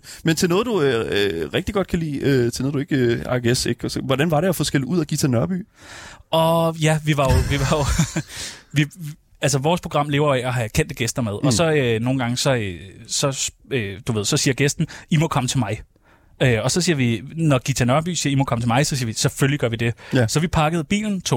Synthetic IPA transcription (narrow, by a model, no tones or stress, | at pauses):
ment͡sʰe̝lnɔ̽ːð̩ˠd̥uøʁɛɡ̥d̥iɡ̥ɒ̽d̥̚kʰælḭːøt͡sʰe̝lnoːðˠdue̝ɡ̥øɑ̈ɡ̥eseɡ̥ʋɒdænʋɑ̈ɾeɒfɔsɡ̥el̰ˠuð̞̰ˠæɡ̥it͡sʰenɶɐb̥y̰ː | ɒjæʋiʋɑ̈jo̝ʋiʋɑ̈jo̝ | ʋi | ælsəʋɒːspʰʁo̝̥ʁɑ̈m̰le̝ːʊɐjoɛɒ̽ɦækʰen̰d̥əɡ̥esd̥ɐmeð̞ˠʔɒ̽sɒ̽øno̝ːn̩ɡ̥ɑ̈ŋəsɒ̽øsɒ̽s | ød̥uʋe̝ð̞̰ˠsɒ̽siːɐɡ̥esd̥n̩imɔ̽kʰɒ̽mət͡sʰe̝lmɑ̈ɪ | øɒ̽sɒ̽siːɐʋinɒɡ̥it͡sʰænɶɐb̥y̰ːsiːɐimɒ̽kʰɒ̽mət͡sʰemɑ̈ɪsɒ̽siːɐʋisɒ̽føliɡ̥ɶɐʋid̥e̝sɒ̽ʋipʰɑ̈ɡ̥əð̩ˠb̥ḭːln̩t͡sʰo̝